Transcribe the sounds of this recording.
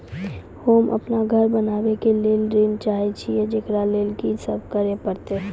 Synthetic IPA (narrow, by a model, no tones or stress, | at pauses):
hoːmʔɐ̰pnaɡʱəɾbənaːbekeleːlɾeːnt͡ʃaːɦit͡ʃʰied͡ʒeːkɾaleːlkisəb̚kəɾepəɾt̪e